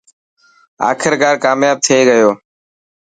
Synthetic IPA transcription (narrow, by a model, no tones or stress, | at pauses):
a̰ːkʰɪɾkaːɾkaːmjaːb̚t̪ʰɪeːɡəjoː